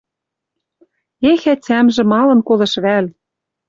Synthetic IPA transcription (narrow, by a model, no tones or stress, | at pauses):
exæt͡sæmʒɘ̆mɑlɤ̆nkolĕʃβæl